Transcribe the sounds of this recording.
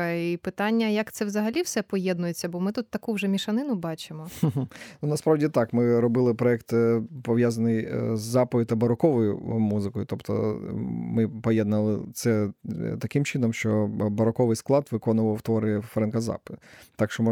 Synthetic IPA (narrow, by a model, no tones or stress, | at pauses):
ipɪt̪ɑnʲːɐjɐkt̪sɛwzɐɦɐlʲiwsɛpɔjɛd̪nʊjet͡sʲːɐbɔmɪt̪ut̪ːɐkuwʒɛmʲiʃɐnɪnʊbɑt͡ʃɪmɔɦnunɐspɾɑwdʲit̪ɑkmɪɾɔbɪlˠɪpɾɔɛkt̪pɔʋʲjazɐnɪjzːɑpɔjʊt̪ɐbɐɾɔkɔʋɔjʊ̰muzɪkɔjʊt̪ɔpt̪ɔ̰mɪpɔjɛd̪nɐlˠɪt̪sɛt̪ɐkɪmt͡ʃɪnɔmʃt͡ʃɔbɐɾɔkɔʋɪjsklˠɑt̪ʋɪkɔnʊʋɐwt̪ʋɔɾɪfɾɛnkɐzɑ̰pɪ̥t̪ɑkʃt͡ʃɔm